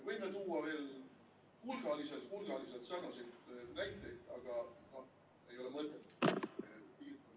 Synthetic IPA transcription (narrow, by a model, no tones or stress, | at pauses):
vɤjmet̪uːɑve̞ːl | hulɡ̥ɑliset̪hulɡ̥ɑliset̪sɑɡ̥ɑsilt̪næjt̪ˑːekɑɡ̥ɑno̞h | e̞jo̞lemɤt̪ˑːet̪ːu̥ | piːk̪